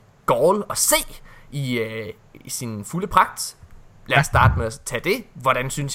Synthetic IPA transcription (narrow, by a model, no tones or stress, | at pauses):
ɡ̥ɒːlɒ̽se̝̰ːiø | sinfuləpʰʁɑ̈ɡ̥̚d̥læɐsːd̥ɑ̈ːd̥əmeæt͡sʰɛd̥e̝ʋɒɾ̥ænsyns